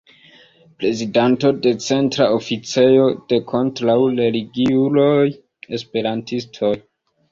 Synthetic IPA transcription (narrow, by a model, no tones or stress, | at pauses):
pɾe̞zidanto̞de̞t͡se̞ntɾao̞fit͡se̞jo̞d̥e̞kʰo̞ntɾawleliɡiulo̞j | e̞spe̞ɾantistʰo̞j